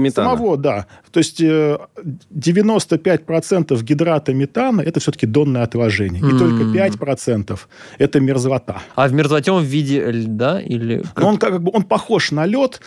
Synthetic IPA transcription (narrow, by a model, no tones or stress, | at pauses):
mʲɪsəmɐvo̞d̪at̪o̞ɪsʲtʲə | dʲɪvʲɪno̞st̪əpʲætʲpɾɐt̪sɛnt̪əfɡʲɪd̪ɾat̪əmʲɪt̪anəʔɛt̪əfsʲot̪ə̥kʲɪd̪o̞nːəjəɐt̪lˠɐʐɛnʲɪjəit̪o̞lʲkəpʲætʲpɾɐt̪sɛnt̪əf | ɛt̪əmʲɪrzvɐt̪a̰avmʲɪrzvɐtʲeomvʲidʲɪlʲd̪aḭlʲɪ̰noonkakaɡ̚bɨo̞npɐxo̞ʂnɐlʲot̪